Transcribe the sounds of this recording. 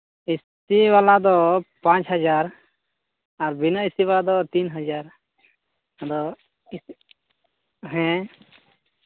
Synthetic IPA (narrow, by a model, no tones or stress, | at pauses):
is | iʋalad̪ɔpãt͡ʃɦəd͡ʒaɾ | aɾbinəisiʋalad̪ɔt̪inɦəd͡ʒaɾ | d̪ɔ | ɦɛ̃